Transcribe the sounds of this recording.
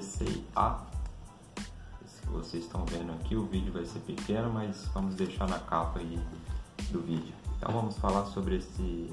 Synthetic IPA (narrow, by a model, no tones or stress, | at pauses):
sḛa̰ | skɪvo̰sezɪst̪ɐ̃w̃vẽd̪ʊakʰiʊvid͡ʒɪʊvajseɾpikẽnʊmɐjzvɐ̃mʊzd̪eʃaɾnɐkapɐi | d̪ʊvid͡ʒɪʊẽnt̪ɐ̰̃w̃vɐ̃mʊsfalaɾsobɾɪesɪ